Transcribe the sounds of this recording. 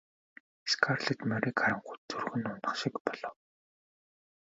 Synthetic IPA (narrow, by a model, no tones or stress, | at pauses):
skʰarɮĕt̪mœɾikaɾə̆ɴχutt͡sɵrɣɵ̆nʊnə̆χʃikpɔɮɞ̆w